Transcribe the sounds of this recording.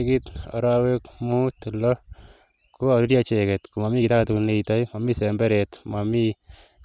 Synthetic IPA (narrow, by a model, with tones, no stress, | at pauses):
ki˦ta̰˨ɾawekmu˦tu˨lɔ˦ | ku˦a˨ɾi˦ɾja˦t͡ʃekɛ˨tku˨ma˨mi˦ki˨ta˦katu˨kune˨ita˦jma˨mi˦sɛmbɛ˦ɾɛtma˨mi